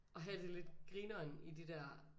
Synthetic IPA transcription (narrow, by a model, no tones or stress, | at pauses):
ʔɒ̽ɦæd̥e̝le̝d̥ɡ̥ʁiːnɐnid̥id̥æɐ̰